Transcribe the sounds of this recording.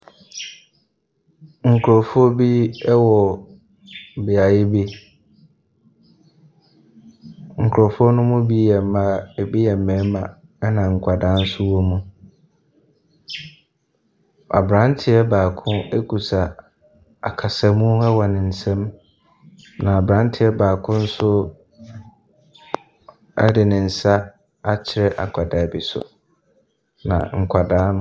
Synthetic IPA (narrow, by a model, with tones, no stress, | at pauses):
ŋ̩˨kʰʊ˨ɾɔ˨fʊ˦ɔ˦bi˦ɛ˦wɔ˨ | bɪ˨a˨jɪ˦bi˦ | ŋ̩˨kʰɾɔ˨fʊ˦ɔ˦nʊ̃˦mʊ̃˦bi˦jɛ˨m˦ma˦˨bi˦jɛ˨mɛ̃ː˨˦mã˨ | ɛ˦nã˨ŋ̩˨kʷʰa˨dã˦n̩˦sʊ˦wɔ˦mũ˦ | a̰˨bɾã˦ntʰɪ˨ɛ˦baː˨kʰʊ̃˦e˦kʰu˨sa˨ | a˨kʰa˨sa˦mũ˦ɛ˦wɔ˨nɪ̃˨n̩˨sɛ̃˦m | nã˨a˨bɾã˦n˦tʰɪ˨˦ɛ˦baː˨kʰʊ̃˦n̩˦sʊ˦ | a̰˦dɪ˨nɪ̃˨n̩˨sa˦ | a˦t͡ɕʰɪ˨ɾɛ˦ʔa̰˨kʰa˨da˨bi˨sʊ̰˨ | nã̰˨ŋ̩˨kʷʰa˨dãː˦